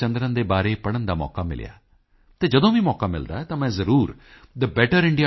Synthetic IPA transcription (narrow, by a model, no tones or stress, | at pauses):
ə̃nd̪ɾənd̪eːbaːɾeːpəɽənd̪aːmɔ̰ːkaːmɪ̰lɪ̰ja̰ː | t̪eːd͡ʒəd̪õːʋiːmɔːkaːmɪ̰ld̪a̰ːɛːt̪ãːmɛ̃ːzəɾuːɾd̪əbɛːʈəɾɪɳɖɪjaː